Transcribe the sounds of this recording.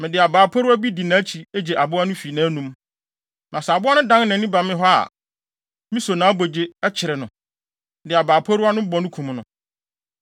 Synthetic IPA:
mɪ̃˨dɪ˨a˨baː˨pʰɔ˦ɾʊ˦a˦bi˦di˨nã˨˦t͡ɕʰi˨e˦d͡ʑe˨ʔa˨bʊ˦a˦nʊ̃˦fi˨nãː˦nũ˦m | nʔã˨sɛ˨a˨bʊ˦a˦nʊ̃˦dã˦n˦nã˨nːɪ̃˦ba˨mɪ̃˦ɦɔ˦a̰˨ | mĩ˦so˨nã˨˦bo˨d͡ʑe˨ɛ˦t͡ɕʰɪ˨ɾɪ˨nʊ̃˨ | dɪ˨a˨baː˨pʰɔ˦ɾʊ˦a˦nʊ̃˦bɔ˨nʊ̃˦kʰũ˨m˦nʊ̃˨

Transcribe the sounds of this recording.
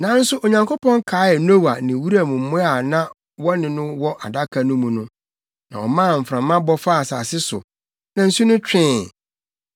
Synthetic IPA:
nã˦n̩˦sʊ˦ʔo˨ɲã˨ŋkʰo˦pɔ̃˦ŋ˦kʰaː˦ɛ˨no˦wa˨nɪ̃˨wu˦ɾa˦˨mũ˨m̩˨˦mʊ̃˦a˨nã˦ | wɔ˦nɪ̃˨nʊ̃˦wɔ˦ʔa˨da˦kʰa˨nʊ̃˦mũ˨nʊ̃˦ | nã̰˨ɔ̰˨mãː˦˨m̩˨fɾã˨mːã˦bɔ˦fa˦˨saː˨sɪ˦sʊ̰˨ | nã˨n̩˨˦su˦nʊ̃˦t͡ɕᶣɪ̃˦˨

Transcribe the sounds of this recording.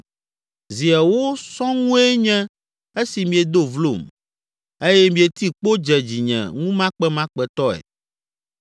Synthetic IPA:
zi˨ɛ˨wo˦sɔ̃˦ŋũ˦e˦ɲɛ̃˦ | e˦si˨mĩ˨e˨d̪o˦vlo˦˨m | e˦jɛ˦mĩ˨e˨t̪i˦k͡po˦d͡ʒɛ˨d͡ʑi˨ɲɛ̰̃˨ŋũ˦mã˦k͡pɛ˦mã˦k͡pɛ˨t̪ɔ˦ɛ̰˨

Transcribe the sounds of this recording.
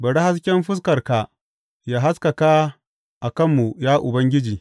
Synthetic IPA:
bɐ˨ɽe˦ha˦s̬kʲɛ˦mɸɪ˦s̬kɐ˨rka˨ | jaː˦ɦa˦skɐ˨ka˦ | ʔa˨kɐ˦mːu˨jaː˦ʔʊ˨bɐ˦ŋɡʲɪ˦d͡ʒiː˨

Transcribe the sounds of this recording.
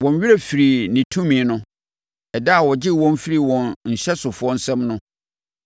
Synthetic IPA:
wɔ̃˨n˨˦ɥi˦ɾe˨fi˨ɾi˨nɪ̃˨tʰũ˦mĩ˨nʊ̃˦ | ɛ˨da˦a˨wɔ˨d͡ʑɪ˦wɔ̃˦m˦fi˦ɾi˨wɔ̃˨nɲ̩˨ɕɛ˦sʊ˨fʊ˦ɔ˦n̩˦sɛ̃˦mnʊ̃˦

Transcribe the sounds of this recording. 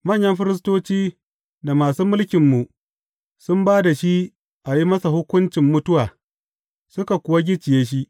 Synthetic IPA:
mɐ˦˨ɲjɐ˦mɸɪ˦ɾɪ˦s̬toː˦t͡ʃiː˦ | da˨maː˨suː˦mʊ˦lkʲɪ˨mːu˨ʔ | sʊ˦mbaː˦da˨ʃi˦ | ʔa˨ji˦mɐ˦sa˨ɦʊ˦kʷʊ˦nt͡ʃɪ˨mːʊ˦tʊ˦waː˨ | sʊ˦ka˨kʷʊ˨wa˦ɡʲɪ˦t͡ʃɪ˨jeː˦ʃ̬i˦ʔ

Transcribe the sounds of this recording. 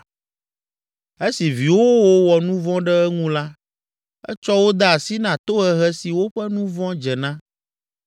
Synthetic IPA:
e˦si˨vi˨wo˦wo˦wɔ˨nũ˦vɔ̃˦ɖɛ˦ɛ˦ŋũ˦la˦ | ɛ̰˦t͡ʃɔ˦wo˦d̪a˦a˨si˦nã˨t̪o˦ɛ˨ɦɛ˦si˨wo˦ɸɛ˦nũ˦vɔ̃˦d͡ʒɛ˨nã˦

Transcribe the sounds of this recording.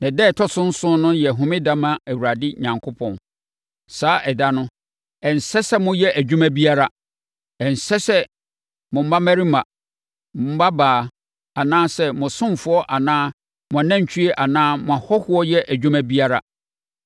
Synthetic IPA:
nã˨dɛː˦˨tʰɔ˦sʊ̃˦n̩˦sʊ̃˦nʊ̃˦jɛ˨ɦʊ̃˨mɪ̃˦dã˦mã˦æ˨wɾa˨dɪ˦ɲã˨ŋkʰʊ˦pʰɔ̃˨n | saː˦ʔɛ˨da˦nʊ̃˦ | ɛ˨n̩˨sɛ˦sɛ˦mʊ̃˦jɛ˦ʔæ˨d͡ʑᶣũ˦mæ̃˦bi˦a˦ɾa˨ | ɛ˨n̩˨sɛ˦sɛ˦ | mʊ̃˨m̩˦ba˦mæ˦ɾi˦mã˨ | mʊ̃˨m̩˦ba˦baː˨ | a˨nãː˦sɛ˦mʊ̃˨sʊ̃˦m˨fʊ˦ɔ˦ʔa˨nãː˦ | mʊ̃˨a˨nã˦ɲ̩˨t͡ɕʰᶣi˦e˦ʔa˨nãː˦mʊ̃˨a˨hɔ˦hʊ˦ɔ˦jɛ˦ʔæ˨d͡ʑᶣu˦mæ̃˦bi˦a˦ɾa˨

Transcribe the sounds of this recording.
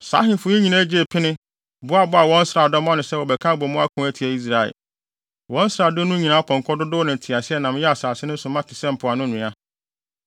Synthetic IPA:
sa̰ː˨˦ɦɪ̃˨n˨fʊ˨˦ɲĩ˦ɲĩ˨nã˦d͡ʑe˦˨pʰɪ˦nɪ̃˦ | bʊ˦a˨bʊ˦a˨wɔ̃˦n̩˦sɾa˨dɔ˦mɔ̃˦nɪ̃˨sɛ˦wɔ˨bɛ˨kʰã˦bɔ˨mʊ̃˦a˦kʰʊ̃˦æ˦tʰi˨æ˨i˦s̬ɾa˨ɛ̰˨ | wɔ̃˦n̩˦sɾa˨dʊ˦nʊ̃˦ɲĩ˨nã˨˦pʰɔ̃˨ŋkʰɔ˦dʊ˦dʊ˦nɪ̃˨n˨tʰɪ˨a˨sɪ˦ɛ˦˨nã˨m˦jɛ˦a˨saː˨sɪ˦nʊ̃˦sʊ˨mã˦tʰɪ˨sɛ̃˦m̩˨pʰʊ˨a˨nʊ̃˦nũ˨a˦

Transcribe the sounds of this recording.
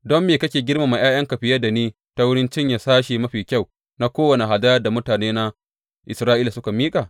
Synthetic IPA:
dɔ˦mːeː˨kɐ˦kʲeː˨ɡʲɪ˦rma˨ma˨j̰ʔaː˦jɐ˦ŋkɐ˨ɸɪ˦jɐ˦da˨niː˦ | ta˦wʊ˦ɽɪ˦nt͡ʃɪ˦ɲja˨saː˦ʃi˨mɐ˦ɸiː˨kʲa˦˨w | na˦kʷoː˦wɐ˨ne˨ɦa˨da˦jɐ˦rda˨mʊ˦taː˨neː˦na˦ | ʔɪ˨sɾaː˦ʔiː˦la˨sʊ˦ka˨miː˦kʼa˨

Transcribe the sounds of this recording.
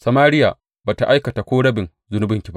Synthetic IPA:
sɐ˨maː˦ɾɪ˦jaː˨ | baː˨ta˨ʔa˦jkɐ˨ta˨kʷoː˦ɽɐ˦bɪ˨ŋ | zʊ˦nʊ˦bɪ˨ŋkʲi˨ba˦ʔ

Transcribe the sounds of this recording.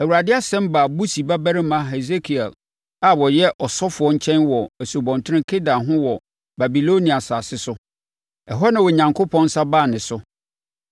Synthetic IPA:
æ˨wu˨ɾa˨dɪ˦a˦sɛ̃˦m˦baː˨bu˦si˨ba˦bæ˦ɾɪ˦mã˦ɦɛ˨ze˦kʰi˨ɛ̰˨l | a˨wɔ˨jɛ˦ʔɔ˨sɔ˦fʊ˨ɔ˦ɲ̩˦t͡ɕʰɛ̃˦nwɔ˨æ˨so˨bɔ̃˨n˨tʰʊ˦ɾɪ̃˦kʰe˦da˨ɦʊ̃˦wɔ˨ | ba˨bi˨lo˦nĩ˨a˨saː˨sɪ˦sʊ˦ | ɛ˨ɦɔ˦nã˨wɔ˨ɲã˨ŋkʰo˦pʰɔ̃˦n˦sa˦baː˦˨nɪ̃˨sʊ˦

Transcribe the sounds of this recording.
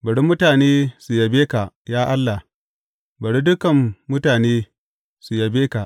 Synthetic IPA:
bɐ˨ɽi˦mʊ˦taː˨neː˦su˨jɐ˨beː˦ka˨ʔ | jaː˦ʔa˦lːa˨h | bɐ˨ɽi˦dʊ˦kɐ˨mːʊ˦taː˨neː˦ | su˨ja˨beː˦ka˨ʔ

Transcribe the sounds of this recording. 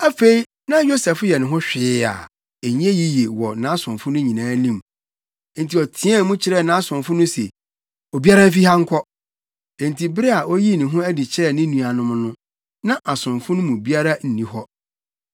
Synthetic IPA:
a˦fe˦i˦ | nã˦jo˦sɛ˨fjɛ˨nʊ̃˨ɦʊ̃˦ɕᶣɪ˨˦a̰˨ | e˨ɲ˦e˦ji˦je˨wɔ˨nã˦sʊ̃˨mfʊ̃˦nʊ̃˦ɲĩ˨nãː˦nĩ˦˨m˦ | n̩˨tʰi˨ɔ˨tʰɪ̃˦ɛ˦mũ˦t͡ɕʰɪ˦ɾɛ˦˨nã˦sʊ̃˨mfʊ˦nʊ̃˦sḛ˨ | o˨bi˦a˦ɾã˦m̩˦f̬i˦ha˦ŋ̩˦kʷʰɔ˦ | ɛ̃˨n˨tʰi˨bɪ˦ɾɪ˦a˨ʔo˦ji˦nɪ̃˨ɦʊ̃˦æ˦dɪ˨t͡ɕʰɪ˦ɾɛ˦˨nɪ̃˦nũ˨a˨nʊ̃˦m˦nʊ̃˦ | nã˦ʔa˨sʊ̃˨mfʊ̃˦nʊ̃˦mũ˨bi˦a˦ɾa˦n̩˨nĩ˦hɔ˦

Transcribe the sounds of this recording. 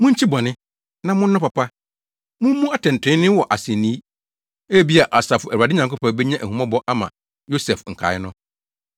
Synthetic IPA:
mʊ̃˦ɲ̩˦t͡ɕʰi˦bɔ˨nɪ̃˦ | nã˨mʊ̃˦n̩˦nʊ̃˦pa˨pʰa˦ | mʊ̃˦m˦mũ˦a˦tɛ̃˨n̩˨tʰɪ̃˦nɪ̃˦wɔ˨ʔa˨sɛ˨nĩ˦ | e˦˨bi˦a˨ʔa˨sa˨fʊ˨æ˨a˨dɪ˦ɲã˨ŋkʊ˦pa˨˦bɛ˦ɲã˦ʔæ˨hũ˨mã˦bɔ˦ʔa˦mã̰˨ | jo˦sɛ˨fŋ̩˨kʰa̰˨ɪ˦nʊ̃˦

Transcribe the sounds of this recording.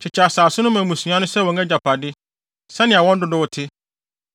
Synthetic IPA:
t͡ɕʰɪ˨t͡ɕʰa˨saː˨sʊ˦nʊ̃˦mã˨mũ˨sũ˨ã˦nʊ̃˦sɛ˦wɔ̃˨ŋɛ˦d͡ʑa˨pʰa˨dɪ˦ | sɛ˦nɪ̃˨a˨wɔ̃˦n˦dʊ˦dʊ˦wʊ˨tʰɪ˦

